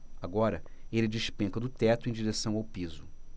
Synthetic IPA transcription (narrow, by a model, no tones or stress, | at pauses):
aɡɔɾɐelɪd͡ʒɪʃpẽkɐd̪ʊt̪ɛt̪ʊẽj̃d͡ʒiɾesɐ̃w̃awpizʊ